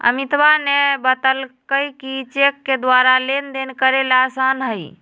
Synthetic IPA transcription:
ə̰mit̪banebət̪əlkəjkit͡ʃekːed̪waɾalend̪enkəɾelasanɦəj

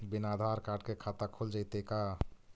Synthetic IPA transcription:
binad̪ʱaɾkaɖ̚kekʰat̪akʰold͡ʒajt̪eka

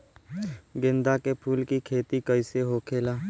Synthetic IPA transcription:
ɡɪ̃nd̪akepʰuːlkikʰeːt̪ikəɪseɦokʰeːlaː

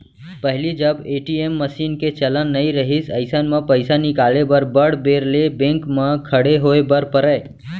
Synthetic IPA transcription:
pəɦlid͡ʒəbeːʈiemːəsiːnket͡ʃələnːəiɾəɦisəɪsənmepəɪsanɪkaːlebəɾbəɽ̤beɾlebẽŋkmẽkʰəɽeɦoebəɾpəɾəe

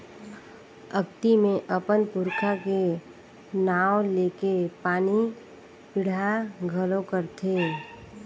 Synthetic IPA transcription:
əkt̪imẽʔəpənpʊɾkʰake | naːwleːkepaːni | pɪɽ̤aɡʱəlokəɾt̪ʰeː

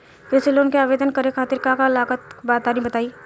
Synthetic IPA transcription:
pesɪloːnkeaːʋeːd̪ənkəɾekʰaːt̪ɪɾkakaɪlaːkət̪baːt̪aɾĩbət̪aːiː

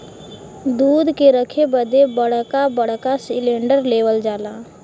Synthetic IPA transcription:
d̪uːd̪keɾəkʰebəd̪ebəɽ̤kabəɽ̤kasɪlẽːɳɖəɾleːʋəld͡ʒaːlaː

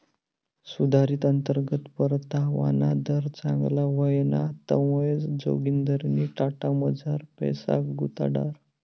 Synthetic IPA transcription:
sud̪ʱaɾiːt̪ənt̪əɾɡət̪pəɾt̪aʋa̰nad̪əɾt͡saŋɡlaʋəjnat̪ə̰ʋəjd͡zd͡zo̰ɡind̪əɾniʈaʈaməd͡zaɾpɛ̰sa̰kɡut̪a̰ɽa̰ɾ

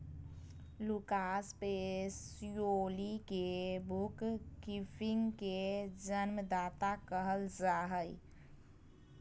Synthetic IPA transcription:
lukaːspesijoːlikebʊkkifʰɪ̃ŋɡked͡ʒənmd̪aːt̪akəɦəld͡ʒaːɦəḭ

